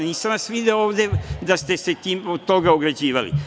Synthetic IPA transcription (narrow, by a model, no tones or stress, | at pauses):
niːsamʋasʋid̪eooːʋd̪e̞d̪ast̪e̞se̞t̪iːmot̪o̞ɡaoɡɾad͡ʑiːʋalḭ